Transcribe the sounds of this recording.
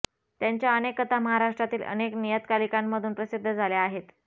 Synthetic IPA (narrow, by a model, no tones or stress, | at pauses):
t̪jaɲt͡ɕjaənekːət̪aməɦaɾaʂʈɾat̪iːlʔə̰neknijət̪kalikamːəd̪ʱuːnpɾəsid̪ʱːəd͡zʱaljaːɦet̪